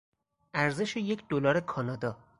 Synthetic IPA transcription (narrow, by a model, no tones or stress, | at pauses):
ʔæɾze̞ʃejecʰd̪olɒːɾekʰɒːnɒːd̪ɒː